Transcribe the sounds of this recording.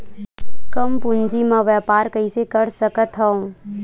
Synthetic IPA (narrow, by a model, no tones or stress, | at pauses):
kəmpʊɲd͡ʒimãʋjɛːpaːɾkəisekəɾsəkət̪ɦəõ